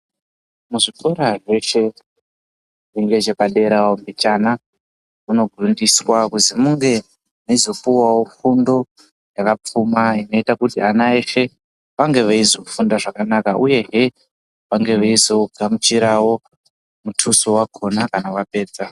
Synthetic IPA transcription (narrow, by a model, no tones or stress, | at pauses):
muʐikoɾaʐe̞ʃe̞ | riŋɡe̞d͡ʒe̞paɗe̞ɾawombit͡ʃana | muno̞ɡʱrundiswakuzimuŋɡe̞ | naizo̞puwawo̞fundo̞ | jakap͡fumaino̞itakutianaeʃe̞ | ʋaŋɡe̞ʋaizo̞fundaʐakanakaʔuje̞ɦe̞ | ʋaŋɡe̞ʋaizo̞ɡʱamut͡ʃiɾawo̞ | mutʰusowakʰo̞nakanawape̞ːd͡za